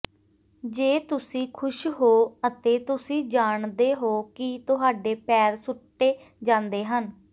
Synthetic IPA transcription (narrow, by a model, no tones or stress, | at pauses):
d͡ʒeːt̪ʊsĩːkʰʊʃɦoːət̪eːt̪ʊsĩːd͡ʒaːɳd̪eːɦoːkɪt̪ʊɦaːɖeːpɛːɾsʊʈːeː | d͡ʒãːnd̪eːɦən